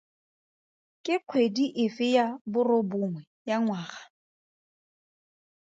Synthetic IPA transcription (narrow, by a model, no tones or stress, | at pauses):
kʼɪq͡χʰwediʔɪfɪjabʊrɔbʊŋwɛjaŋwaːχḁ